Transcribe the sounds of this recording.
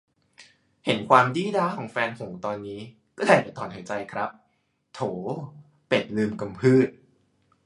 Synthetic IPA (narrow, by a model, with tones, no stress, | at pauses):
he˩˦nkʰwaː˧mdiː˥˩daː˦˥kʰɔː˩˦ŋfɛː˧nsʰo˨˩˦ŋt̪ɔː˧nːiː˦˥ | kɔː˥˩daː˧˩pa˨˩t̪ʰɔː˩˦nhʰa˩˦jt͡ɕa˧jkʰɾa˦˥p̚ | t̪ʰoː˩˦ | pe˨˩t̪̚lɯː˧mka˧mpʰɯː˥˩t̪̚